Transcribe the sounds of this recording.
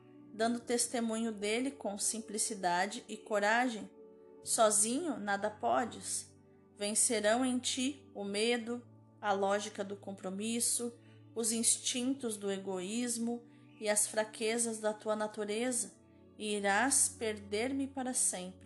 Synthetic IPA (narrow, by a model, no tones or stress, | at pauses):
d̪ɐ̃nd̪ʊt̪est̪emũɲʊd̪elɪkõw̃sĩmplisid̪ad͡ʒɪʔɪkoɾaʒẽj̃ | sɔzĩɲʊnad̪ɐpɔd͡ʒɪs | vẽseɾɐ̃w̃ẽj̃t͡ʃiʊmed̪ʊ | ɐlɔʒikɐd̪ʊkõpɾomisʊ | ʊzĩst͡ʃĩnt̪ʊzd̪ʊeɡoizmʊ | ɪɐsfɾakʰezɐzd̪ɐt̪uɐnat̪uɾezɐ | ɪːɾaspeɾd̪eɾmɪpaɾɐsẽmpɾɪ